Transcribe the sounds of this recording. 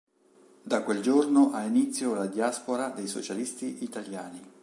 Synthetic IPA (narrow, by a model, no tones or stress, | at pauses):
d̪akweld͡ʒornoʔainit̪sːjolad̪jaspoɾad̪ejso̰t͡ʃalist̪iʔit̪aljaːni